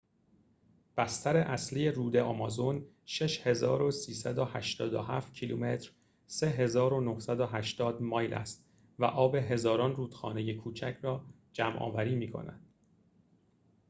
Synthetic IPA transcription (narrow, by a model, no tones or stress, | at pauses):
b̥æst̪ʰæɾe̞ʔæsliːje̞ɾuːd̪e̞ʔɒmɒzon | ʃe̞ʃhe̞zɒːɾo̞siːsæd̪ohæʃt̪ɒːd̪o̰ɦæft̪cʰilume̞t̪ʰɾ | se̞ɦe̞zɒːɾo̞no̞hsæd̪oɦæʃt̪ɒːd̪mɒːjlʔæ̰st̪ | væ̰ʔɒːbe̞ɦe̞zɒːɾɒːnruːd̪̥xɒ̰ːne̞je̞kʰuːt͡ʃʰæcʰɾɒː | d͡ʒæmʔɒ̰ːvæɾiːmiːkʰo̞̰næ̰d̪̥